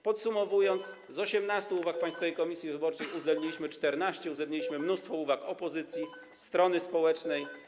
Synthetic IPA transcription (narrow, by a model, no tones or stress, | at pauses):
pɔt̪sumɔvujɔnt̪s | zɔɕɛmnast̪uuvak̚paj̃st̪fɔvɛjkɔmʲisʲjivɘbɔɾt͡ʂɛjuzɛbɲilʲiɕmɘt͡ʂt̪ɛɾnaɕt͡ɕɛuzɛbɲelʲiɕmɘmnust̪fɔuvakɔpɔzɘt̪sʲji | st̪ɾɔnɘspɔwɛt͡ʂnɛj